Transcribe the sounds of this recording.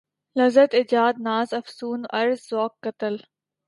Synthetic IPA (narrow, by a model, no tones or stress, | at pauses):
lɐzət̪ɪd͡ʒaːd̪̚naːzɐfsuːnɐɾzːoːkːɐt̪əl